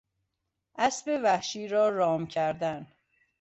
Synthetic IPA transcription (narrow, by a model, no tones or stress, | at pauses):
ʔæsbevæhʃiːɾɒːɾɒːmcʰæɾd̪æn